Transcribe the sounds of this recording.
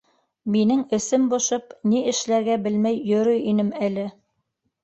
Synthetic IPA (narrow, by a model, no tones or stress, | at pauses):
minɘŋɘ̆sɘmbŏʃɤpniɘ̆ʃlæɾɡæbɘlmæjːɵ̆ɾɵjinɘmælɘ